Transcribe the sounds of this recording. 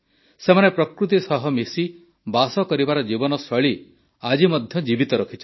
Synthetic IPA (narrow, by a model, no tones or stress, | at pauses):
semanepɾɔkɾut̪̬isɔɦɔmisi | basɔkɔɾibaɾɔd͡ʒibɔnɔsɔɭi | ad͡ʒimɔd̪ʱjɔd͡ʒibit̪ɔɾɔkʰit͡ʃʰɔ̥